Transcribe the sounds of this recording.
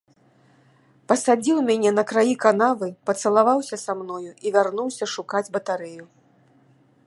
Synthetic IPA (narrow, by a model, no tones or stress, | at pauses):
pɐsad͡zʲiwmʲanʲɛnɐkɾajikanavɨpɐt̪sɐlˠavawsʲɐsamnɔjuivʲarnuwsʲɐʂukad͡zʲbɐt̪aɾɛju